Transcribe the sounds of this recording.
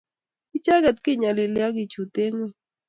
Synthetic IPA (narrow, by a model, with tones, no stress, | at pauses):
i˦t͡ʃa˦ɡa˨t̪̚kɪ˦˨ɲa˨lɪ˨lja˦ɡɪ˨t͡ʃu˨t̪e˦ŋwe˦